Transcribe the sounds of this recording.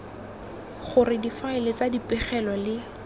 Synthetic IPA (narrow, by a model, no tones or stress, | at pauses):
χʊrɪdifaɪlɪt͡sadipɪχɛlɔlɪ